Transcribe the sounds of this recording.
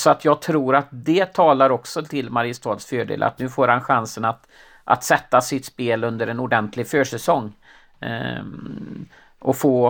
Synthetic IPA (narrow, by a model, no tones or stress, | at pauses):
sɔat̪ʰjɑːɡ̚t̪ʰɾuːɾat̪̚d̪ɛt̪ʰɑːlaɾɔksɔt̪ʰɪlmaɾɪəst̪ʰɑːd̪sføːɖḛːla̰t̪nʉ̟ːfoːɾhanɧansənat̪ | ʔa̰t̪sɛt̪ːasɪt̪speːlɵnd̪əɾɛnʊɖɛnt̪ʰlɪɡføːʂɛsɔŋː | ʔɔfoː